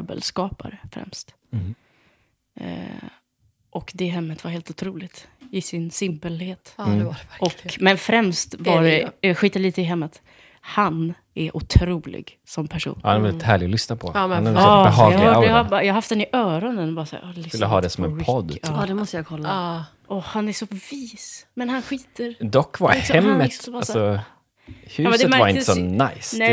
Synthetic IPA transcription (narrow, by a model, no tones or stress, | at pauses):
bə̰lskɑːpa̰ɾəfɾɛ̰mst̪ | ʔɔkd̪ɛɦɛmːət̪vaɾheːlt̪ʊt̪ʰɾuːlɪɡt̪ɪsɪnsɪmpəlheːt̪ | ɔkːmɛnfɾɛmst̪vadɛjɑɡɧiːt̪aliːt̪əɪɦɛmːət̪ | han | ʔɛɾʔʊt̪ʰɾuːlɪ̰ɡ | sɔmpʰæʂṵːnːhanɛvɛlɪt̪hæːɭɪɡɔlʏsnapʰɔnɛɦɑːaːajɑɡaɦaft̪d̪ɛnɪʔœːɾɔnənbɑːɾasa̰ːɾskɵlːəɦɑ̰ːd̪ɛsɔmɛ̰npʰɔd̪ːd̪ɛmɔst̪əjakʰɔlːa | ʔɔhanæʂɔviːsmɛnhanɧiːt̪əɾd̪ɔkːva̰ɾɛmːətːalsɔ | hʉmɛd̪mæɾvaɾɪnəsɔnajsnɛ